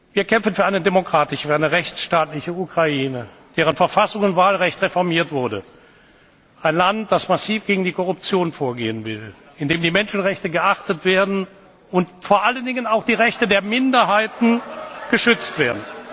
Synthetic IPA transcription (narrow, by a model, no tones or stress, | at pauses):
viːɐkʰɛmfn̩fyːɐaɪnədemokʁ̥aːtɪʃəfaɪnəʁɛçt͡sʃtaːtlɪçəukʁ̥aiːnə | d̥eːʁ̞ənfɛɐfasʊŋʊntv̥aːlʁɛçtʁefɔɐmiːɐtv̥ʊɐdə̰ | ʔaɪnlant̚d̥asmasiːfɡ̥eːɡŋ̩diːkʰɔʁʊp̚t͡sjoːnfoːɐɡḛːənvɪ̰l | ɪndeːmdiːmɛnʃn̩ʁɛçtəɡəʔaχtətv̥eːɐdn̩ | ʊntfoːɐʔaləndɪŋənaʊxd̥iːʁɛçtədeːɐmɪndɐɦaɪtn̩ɡ̥əʃʏt͡stv̥eːɐdn̩